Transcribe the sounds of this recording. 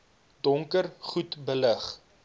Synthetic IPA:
d̥ɔŋkərχutbələχ

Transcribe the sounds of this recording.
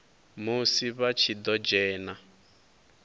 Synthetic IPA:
musiβat͡ʃʰid̪ɔd͡ʒɛːna

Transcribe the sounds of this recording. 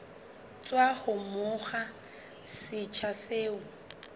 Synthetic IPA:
t͡sʼwahʊmʊχa | sɪt͡ʃʰaseːʊ

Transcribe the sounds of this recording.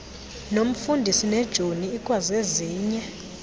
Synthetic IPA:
nom̩fundʱisinɛd̥ʒ̥ʱoniːkʼwazeziːɲɛ

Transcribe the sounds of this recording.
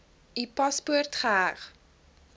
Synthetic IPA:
ipɐspuərtχəɦæχ

